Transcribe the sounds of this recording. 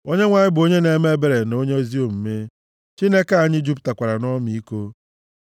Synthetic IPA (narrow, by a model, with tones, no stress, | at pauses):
o˦ɲe˦ŋʷa˨ɲɪ˦bʊ˨o˦ɲe˦ne˨me˦be˨ɾe˨no˦ɲe˦zi˦o˨m̩˨me˦ | t͡ʃi˦ne˦ka˦a˨ɲɪ˦d͡ʒu˦p̬ta˨kʷa˨ɾa˨nɔ˦m˦˨i˦ko˦